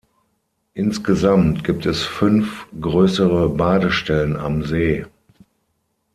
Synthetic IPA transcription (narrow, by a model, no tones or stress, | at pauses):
ʔɪnsɡ̥əzamtɡ̥iːp̚tɛsfʏnfɡ̥ʁøːsəʁəbaːdəʃtɛləna̰mzeː